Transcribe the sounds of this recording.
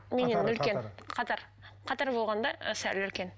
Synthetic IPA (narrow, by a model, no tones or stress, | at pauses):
mʲenenːɵlkʲe̞nqʰɑt̪ɑɾ | qʰɑt̪ɑɾbo̞lˠʁɑnd̪ɑsælɵlkʲe̞n